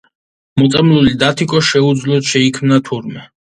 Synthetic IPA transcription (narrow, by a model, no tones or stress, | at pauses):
mɔt̪sʼamlulid̪at̪ʰikʼɔʃɛud̪zlɔd̪ʃɛikʰmnat̪ʰuɾmɛ